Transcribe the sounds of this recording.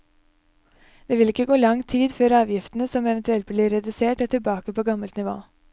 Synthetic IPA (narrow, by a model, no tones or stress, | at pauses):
d̪̥eːʋɪlɪkːəɡoːlɑŋt̪ʰiːd̪føːɾɑːʋjɪft̪nəsɔmɛʋənt̪ʉɛlt̪bliːɾɛd̪ʉseːʈoːt̪ʰɪlbɑːkəpʰoːɡɑməlt̪nɪʋo̰ː